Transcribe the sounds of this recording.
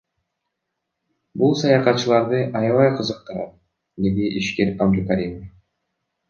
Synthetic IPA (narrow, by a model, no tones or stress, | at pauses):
bulˠsɑjɑqɑt̪̚t͡ʃːɯlˠɑɾd̪ɯʔɑjɑvɑjqʰɯzɯq̚t̪ɑɾɑ̰t̪̚ | d̪e̞d̪iʔiʃkeɾabd̪ukaɾʲim